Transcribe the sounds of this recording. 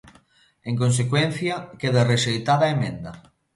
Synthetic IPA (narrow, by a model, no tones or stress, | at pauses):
eŋkons̬ekwen̟θjɐkeðareʃejt̪aðaemẽnd̪ɐ